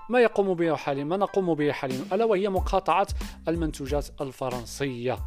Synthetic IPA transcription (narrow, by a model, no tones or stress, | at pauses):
mæjɑqumbəħalimænɑqumbəhiħalinʊʔælːæwahəjːamʊqʰɑt̪ˤɑʕɑt̪ʔəlmənt̪uʒæt̪əlfɑɾˤɑnsˤəjːa